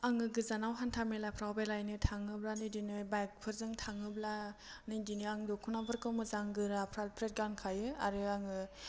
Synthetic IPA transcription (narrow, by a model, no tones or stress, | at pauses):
aŋɯɡɯzanawɦantʰamelapʰɾawbelajnɯtʰaŋɯblanɯdinɯbajk̚pʰɯɾzɯŋtʰaŋɯblanɯjdinɯaŋdɔkʰunabɯɾkɯwmɯzaŋɡɯɾapʰɾapʰɾet̚ɡankʰajɯa̰ɾɯaŋɯ